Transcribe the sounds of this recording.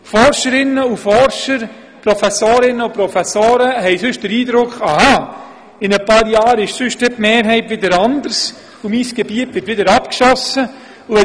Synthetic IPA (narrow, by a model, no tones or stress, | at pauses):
fɔɾʃəɾɪnːəufɔɾʃəɾ | pɾɔfɛsoːɾɪnːəupɾɔfæsoːɾəɦɛɪsʏʃtd̥əɾiːdɾʊkχɑhɑ | ɪnəpɑːɾjaːɾɪʃsʏʃtdɛtmeːɾɦɛɪtʋɪdəɾɑndəɾs | ʊmiːsɡ̥ebiətʋɪtʋɪdəɾɑpkʃɔsə | ʊɛ